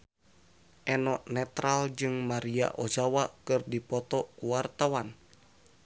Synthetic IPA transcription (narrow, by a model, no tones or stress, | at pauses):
ʔɛnɔʔnɛt̪ɾald͡ʒɨŋmaɾia̰ʔod͡ʒawakɨrdipɔt̪ɔkuwart̪awan